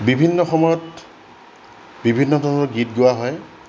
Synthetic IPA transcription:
bibʱinːɔxɔmɔjɔt | bibʱinːɔdʱɔnɔɡitɡʊwaɦɔj

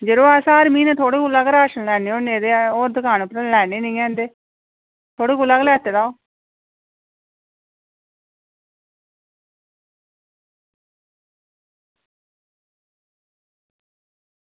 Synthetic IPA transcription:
d͡ʒəɾoːasãːəɾmiːneːt̪ʰoːɽeːkulaːɡɾaːʃənlɛːneːoːneːd̪eːoːd̪əkaːnopɾəlɛːneːnəĩːɛ̃ːnd̪eː | t̪ʰoːɽeːkulaːɡlɛːt̪eːd̪aːoː

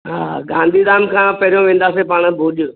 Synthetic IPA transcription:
ɦaːɡãːnd̪ʱid̪aːmkʰãːpɐɾijõʋẽːn̆d̪aːsepaːɽ̃ə̆bʱʊːʄʊ

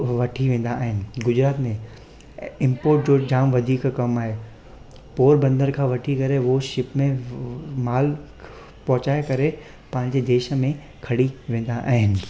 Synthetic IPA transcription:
ʋɐʈʰiʋẽːn̆d̪aːɦɪnɪ̆ɡʊd͡ʑɾaːt̪mẽ | ɪ̃mpoːɾʈ̚d͡ʑoːd͡ʑaːmʋɐd̪ʱiːkkɐmaːɦe | poːɾbɐ̃nd̪əɾkʰãːʋɐʈʰikɐɾeʋoʃɪpmẽmaːl | pɔɦʊt͡ɕaːekɐɾe | pɐ̃ɦɪ̃ɲ̆d͡ʑed̪eːʃmẽ | kʰɐɽiʋẽːn̆d̪aʔa̰ːɦɪnɪ̆

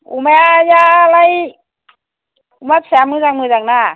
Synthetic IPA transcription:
ṵmɛjaːlaj | umat̚sɛːmɯzaŋmɯːzaŋ̚naː

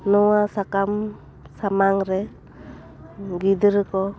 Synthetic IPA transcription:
nɔwasakam | samaŋɾɛ | ɡid̪ɯɾɯkɔ

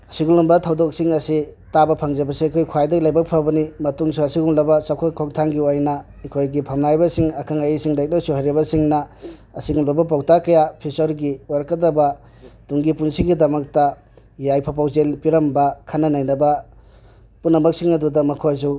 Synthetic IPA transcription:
ɐsiɡulumbɐtʰawdok̚siŋɐsitabɐpʰɐŋd͡ʒɐbɐsikʰojkʰwajdɐɡilajbɐk̚pʰabɐnimɐtuŋsuɐsiɡuŋlɐbɐt͡ʃawkʰakʰɔŋtʰaŋɡiajnɐ | ɐjkʰojɡipʰɐmnajbɐsiŋɐkʰaŋajisiŋdajk̚lawsuɦajɾibɐsiŋnɐ | ɐsiɡulobɐp̬awtakɐjapʰisɔɾɡiwaɾɐkɐdɐbɐ | tuŋɡipunsiɡidɐmɐk̚tɐ | jajpʰap̬awzelpiɾɐmbɐkʰanːɐnajnɐbɐ | punːɐmɐk̚siŋnɐdudɐmɐkʰojzu

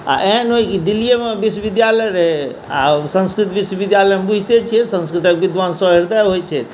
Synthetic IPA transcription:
a̰ʔeɦnɦojkid̪ilːijemebiswəbid̪jaləjɾəɦe | a̰sə̃nskɾit̪biswbid̪jalɛjmebud͡ʒʱt̪et͡ʃʰɛsə̃nskɾit̪ək̚bid̪ʋansɔ̃ɦiɾd̪aɦojt͡ʃʰɛ

